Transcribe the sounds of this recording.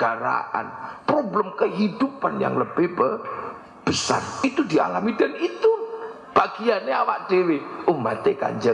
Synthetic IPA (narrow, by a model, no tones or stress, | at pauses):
aɾa̰ʔa̰npɾobləmkəɦid̥upanja̰ŋləbɪhbə | b̥əsa̰rit̪udia̰lamidanit̪u | b̥aɡ̥ijaneawaʔd̥eweumat̪eka̰ɲd͡ʒə